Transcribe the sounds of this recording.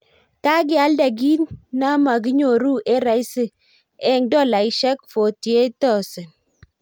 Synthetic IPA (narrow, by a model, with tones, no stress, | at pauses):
ta˦ɡ̬ɪ˦a˦lda˨ɡi˦nna˦ma˨ɡ̬ɪ˦ɲo˨ɾu˦ʔe˦ɾa˨jsɪ˦ | ɛ˦ŋdɔ˦˨la˨i˦ʃɛ˦kfo˨tje˦tɔ˦˨sɪ˨n